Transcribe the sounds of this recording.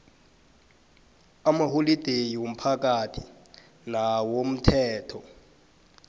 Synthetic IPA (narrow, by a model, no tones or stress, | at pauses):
amaholid̥ʱejiwom̩pʰak̬atʰi | nawom̩tʰɛːtʰɔ